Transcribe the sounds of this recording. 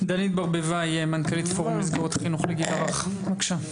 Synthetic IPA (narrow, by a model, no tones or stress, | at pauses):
d̪anit̪̚baʁbevajemankalit̪foʁumizɡaʁot̪aχinuχleɡilaʁaχmakʃa